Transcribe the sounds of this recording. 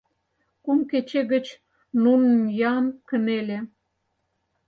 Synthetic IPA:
kumket͡ɕeɣə̆t͡ɕ | nunənjɑnkə̆nelʲe

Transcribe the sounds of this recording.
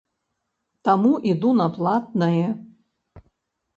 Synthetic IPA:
t̪amuʔid̪unɐplˠat̪̚nɐjɛ

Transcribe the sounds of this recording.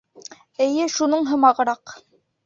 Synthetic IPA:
ɘ̆jɘʃunɤɴɦɤ̆mɑʁɤ̆ɾɑq

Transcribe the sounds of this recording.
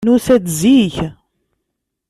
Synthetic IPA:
nusæd̪ziç

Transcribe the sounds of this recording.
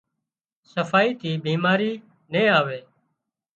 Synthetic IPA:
səfaːiːt̪ʰiːbʱiːmaːɾiː | nẽːaːʋeː

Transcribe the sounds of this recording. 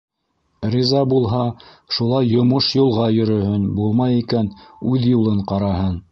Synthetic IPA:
rʲizɑbulˠɦɑ | ʃulˠɑjːŏmoʃjulˠʁɑjɵ̆ɾɵ̆hɘnbulˠmɑjikænʉðjulˠɤɴqɑɾɑhɤn

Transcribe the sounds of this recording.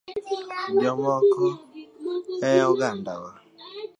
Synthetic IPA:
bɔmɔkɔ | ɛjɔɡandawa

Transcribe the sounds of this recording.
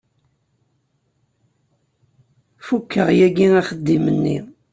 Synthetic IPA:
fukːəʁjæɡiŋæχəd̪ːimənːḭ

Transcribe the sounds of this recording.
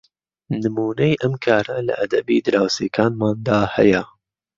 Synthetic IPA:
nɨmuːnejʔɐmkʰaːɾɐlɐ̰ʔɐd̪ɐbiːd̪ɨɾaːwseːkʰaːnmaːnd̪aːhɐ̰jɐ

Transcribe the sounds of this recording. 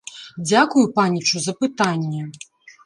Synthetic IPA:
d͡zʲakujupanʲit͡ʂuzɐpɨt̪anʲːɛ

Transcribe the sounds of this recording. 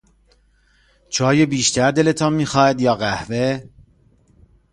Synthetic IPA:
t͡ʃʰɒːjebiːʃt̪æɾd̪e̞le̞t̪ʰɒːnmiːxɒːhæd̪jɒːɣæhve̞

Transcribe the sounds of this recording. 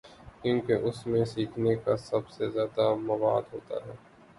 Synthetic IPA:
kjũːkeʔʊsmẽsiːkʰnekasɐbsezjaːd̪amɐʋa̰ːd̪ɦoːt̪a̰ɦɛː

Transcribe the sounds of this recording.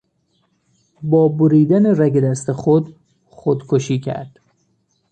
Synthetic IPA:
bɒːboɾiːd̪æneræɡed̪æst̪exod̪ | χod̪̥kʰoʃiːcʰæ̰ɾd̪̥

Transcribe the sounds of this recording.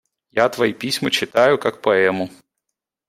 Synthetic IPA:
jat̪ʋɐjipʲisʲmɔt͡ʃɪt̪ajʊkak̚pɔɛmʊ

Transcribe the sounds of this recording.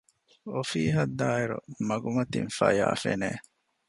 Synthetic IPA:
ofiːɦɐd̪ːaːiɾumɐɡumɐt̪infɐja̰ːfeneː

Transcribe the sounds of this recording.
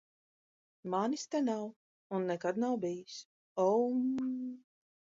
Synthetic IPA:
manist̪ɛnaw | unːɛkad̪nawbijis | ɔm

